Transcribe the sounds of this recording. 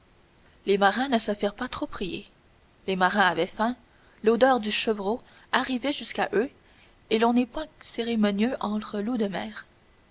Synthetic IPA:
lemaʁɛ̃nəsəfiːʁpat̪χopχijḛ | lemaʁɛ̃avɛfɛ̃ | lod̪œːʁd̪yʃəvʁo | aʁivɛʒyskaʔø | elɔ̃nɛpwɛ̃seʁemɔnjøʔɑ̃t̪χəlud̪əmɛ̰ːʁ

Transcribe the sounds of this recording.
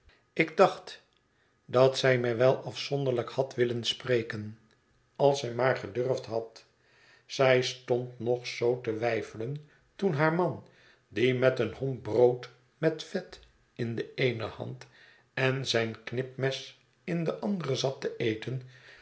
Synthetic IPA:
ɪɡ̚dɑχt | dɑtsɛjmɛjʋɛlˠʔɑfsɔndəʁɹləkhɑtʋɪlənsprejkən | ɑlˠsɛjmaːɹχədørftɦɑt | z̥ɛjstontnɔχsowtəʋɛjfələn | tunɦaːɹmɑn | dimɛtənhɔmbrowt | mɛtfɛt | ɪndəejnəhɑ̰nt | ɛnzɛjnknɪpmɛs | ɪndəʔɑnd̪ərəzɑtəʔejtən

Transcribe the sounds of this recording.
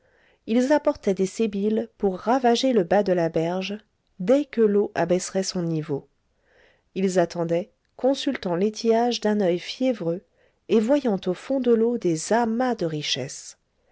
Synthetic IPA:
ilzapɔʁt̪ɛd̪esebilpuʁːavaʒeləbad̪əlabɛʁʒ | d̪ɛkəloʔabɛsʁɛsɔ̃nivo | ilzat̪ɑ̃d̪ɛ | kɔ̃sylt̪ɑ̃let̪ʰiaʒd̪ɛ̃nœjfjɛvʁø | evwajɑ̃t̪ofɔ̃d̪əlod̪ezamad̪əʁiʃɛs

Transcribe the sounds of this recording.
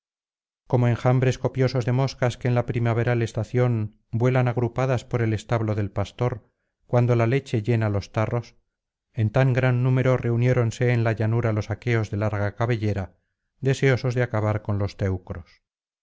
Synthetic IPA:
ko̞mo̞eŋxambɾe̞sko̞pjo̞so̞zðe̞mo̞skaske̞ːnlapɾimaβ̞e̞ɾale̞st̪aθjo̞m | bwe̞lanaɣ̞ɾupaðaspo̞ɾe̞le̞st̪aβlo̞ðe̞lpast̪o̞ɾ | kwand̪o̞lale̞t͡ʃe̞ʎe̞nalo̞st̪aro̞s | e̞nt̪aŋɡɾanːume̞ɾo̞re̞unje̞ɾo̞nse̞ːnlaʎanuɾalo̞sake̞o̞zðe̞laɾɣakaβe̞ʎe̞ɾa | ðe̞se̞o̞so̞zðeakaβaɾko̞nlo̞st̪e̞wkɾo̞s

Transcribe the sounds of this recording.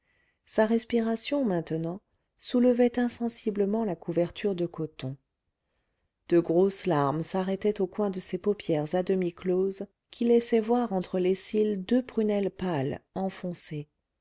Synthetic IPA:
saʁɛspiʁasjɔ̃mɛ̃t̪ənɑ̃ | suləvɛt̪ɛ̃sɑ̃sibləmɑ̃lakuvɛʁt̪ʰyʁd̪əkɔt̪ɔ̃ | d̪̥əɡʁoslaʁmsaʁɛt̪ɛt̪okwɛ̃d̪əsepɔpjɛʁzad̪əmikloz | kʲʰilɛsɛvwaʁɑ̃t̪χəlesild̪øpχynɛlpalɑ̃fɔ̃se

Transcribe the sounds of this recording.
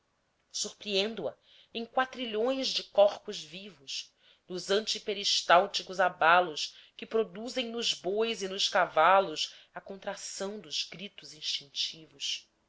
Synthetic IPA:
suɾpɾiẽnd̪uɐ | ẽŋ̃kwat̪ɾiʎõj̃zd͡ʒɪkɔχpʊzvivʊʃ | nʊzɐ̃nt͡ʃipeɾiʃt̪awt͡ʃikʊzabalʊʃkɪpɾod̪uzẽj̃nʊzbojzɪnʊʃkavalʊs | ɐkõnt̪ɾasɐ̃w̃d̪ʊz̥ɡɾit̪ʊzĩʃt͡ʃĩŋt͡ʃivʊs

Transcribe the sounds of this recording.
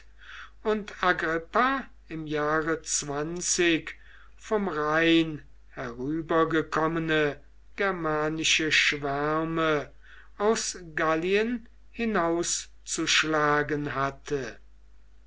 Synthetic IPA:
ʊntaɡʁɪpa | ɪmjaːʁət͡sv̥ant͡sɪk | fɔmʁaɪn | hɛʁyːbɐɡəkʰɔmənə | ɡ̥ɛɐmaːnɪʃəʃv̥æʁmə | aʊsɡaliən | hɪnaʊs | t͡suʃlaːɡənɦatʰə

